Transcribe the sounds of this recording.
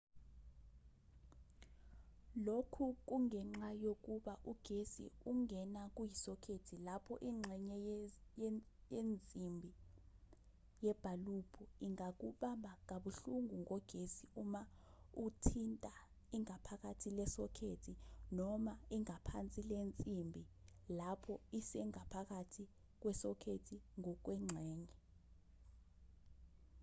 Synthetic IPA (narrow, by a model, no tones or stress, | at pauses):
lokʰuk̬uŋɛŋ͡ǁajok̬uɓaʔuɡ̥ʱesḭuŋɛnak̬ujisɔkʰetʰilapʰɔʔiŋ͡ǁʱɛɲɛjjend͡zʱimbʱi | jɛb̥ʱalub̥ʰʱɔiŋak̬uɓambʱaŋaɓuɬuŋuŋɔɡ̥ʱesiuma | utʰintʼa | iŋapʰak̬atʰilɛsɔkʰetʰinɔmaiŋapʰant͡sʼilent͡sʼimbʱi | lapʰɔisɛŋapʰak̬atʰi | k̬wɛsɔkʰetʰiŋɔk̬wɛŋ͡ǁʱɛːɲɛ